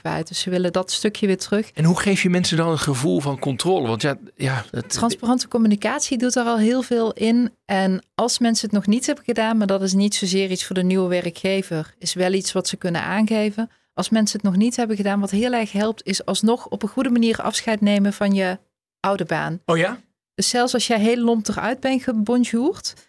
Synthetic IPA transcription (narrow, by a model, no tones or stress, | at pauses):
ʋɛ̰jtdəsəʋɪlədɑtstɵkjəʋɪːɹtərɵxɛnɦuχejfjəmɛnsədɑnətχəvulˠvɑnkɔntroːləʋɑntjaːjatrɑnsparɑntəkɔmynikaːtsidutdaːrɑlˠɦɪːlˠvɪːlˠɪnʔɛnɑlˠsmɛnsəɦətnɔχnitɦɛbənɣədaːnmaːɹdɑtɪs̬nitsowzɪːritsfʊːɹdənywəʋɛrkxejvərɪsʋɛlˠitsʋɑtsəkɵnə̰nʔa̰ːnɣejvən | ʔɑlˠsmɛnsəətnɔxnitɦɛbəɣədaːnʋɑtɦɪːlˠɛrxɦɛlˠp̚tɪsɑlˠsnɔxɔpənχudəmaniːrɑ̰fsxɛjtnejməvɑnjə | ʔʌwdəba̰ːn | d̥ɵsːɛlˠfsɑlˠsjəɦejləlɔmpdərœ̰ɥd̚bɛnɣəbɔnʒuːrt